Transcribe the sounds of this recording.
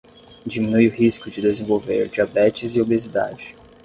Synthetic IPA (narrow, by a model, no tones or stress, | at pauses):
d͡ʒimĩnujʊhiskʊd͡ʒɪd̪ezẽvowvḛɾd͡ʒiabɛt͡ʃɪzɪobezid̪a̰d͡ʒɪ